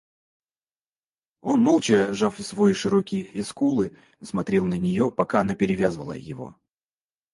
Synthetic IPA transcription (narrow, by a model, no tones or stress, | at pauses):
o̞nmolˠt͡ɕɪʐafsvoiʂɨɾokʲɪjəɪskulˠɨ | smɐt̪ɾʲelˠnənʲɪjo̞pɐkanəpʲɪɾʲɪvʲazvəlˠə̰jɪ̰vo̞̰